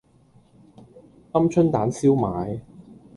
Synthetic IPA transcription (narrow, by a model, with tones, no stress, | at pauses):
ɐ˥mt͡ʃʰɵ˥nt̪aː˨˥nsiː˥wmaː˨˧j